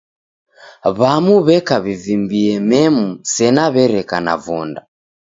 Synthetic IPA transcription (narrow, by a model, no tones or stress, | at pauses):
βamuβɛkaβivimbiɛmɛmusɛnaβɛɾɛkana̰vɔnda̰